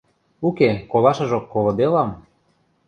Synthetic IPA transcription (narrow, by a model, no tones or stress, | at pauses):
ukekolɑʃɤ̆ʒokːolˠŏd̪elɑm